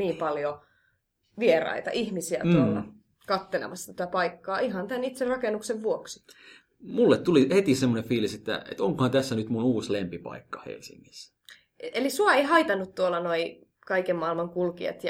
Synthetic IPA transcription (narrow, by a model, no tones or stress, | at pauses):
niːmpɑljo | ʋierɑ̰it̪ɑ̰ʔihmisiæ̰t̪uolːɑ̰ | kɑt̪ːelḛmɑsːt̪æt̪æpɑikːɑːiɦɑnt̪ænit̪serɑkenːukseʋʋuoksi̥ | mulːet̪t̪ulihet̪isemːonefiːliset̪ːæ̰ḛt̪oŋkohɑnt̪æsːænyt̪munuːslempipɑ̰ikːɑ̥hḛlsḭŋːis | elisuɑeihɑit̪ɑnːut̪t̪uolːɑnoi | kɑikemmɑilmɑŋkulkiḛt̪j